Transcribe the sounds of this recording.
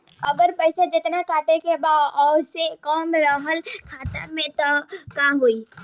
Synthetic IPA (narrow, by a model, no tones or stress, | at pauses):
əɡəɾpəɪsed͡ʒɪt̪nakaːʈekebaːd̪ɔsekɔːmɾəɦəlkʰaːt̪amẽt̪ɔkaɦoi